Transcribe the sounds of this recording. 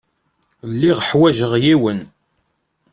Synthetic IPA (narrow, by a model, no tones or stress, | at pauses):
lːiʁəħwæʒəʁjiwən